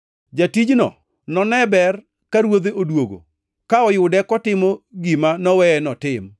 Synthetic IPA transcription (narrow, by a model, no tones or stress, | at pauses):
d͡ʒatid͡ʒnɔ̰ | nɔnɛbɛr | kaɾwod̪eʔodwoɡo̰ | kaɔjʊdɛkɔtɪmɔɡimanɔwɛɛnɔtɪm